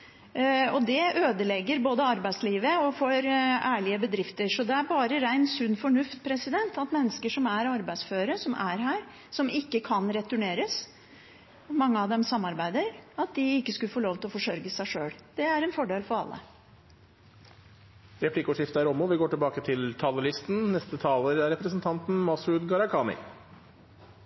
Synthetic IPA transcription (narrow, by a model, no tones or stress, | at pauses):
ɔd̪ɛøːd̪əlɛɡːəɾboːd̪əɑɾbæɪsliːʋəɔfɔɾæːɭɪəbəd̪ɾɪft̪əɾʂɔd̪ɛæɾbɑːɾəɾæɪnsʉnːfɔɳʉft̪̚pʰɾɛsɪd̪ɛnt̪ɑt̪mɛnːəskəʂɔmæɾɑɾbæɪsføːɾəsɔmʔæɾɦæːɾ | sɔmɪkːəkʰɑnɾɛt̪ʉɳeːɾəs | mɑŋːəɑʋd̪ɛmsɑmːɑɾbæɪd̪əɾɑt̪̚d̪ɪɪkːəskʉləfoːloːʋt̪ʰɪlɔfɔʂœɾɡəsæɪʂøːɽd̪̥ɛæɾɛnfɔɖeːlfɔɾɑ̰lːə̰ | ɾɛpʰlɪkʊʂɪft̪əæɾɔmʊʋɪɡoːʈɪlbɑːkət̪ʰɪlt̪ʰɑːləlɪst̪n̩nɛst̪ət̪ʰɑːləɾæɾɛpɾəsnt̪ʰɑnt̪n̩mɑsʉd̪ɡɑɾɑkʰɑːnɪ̰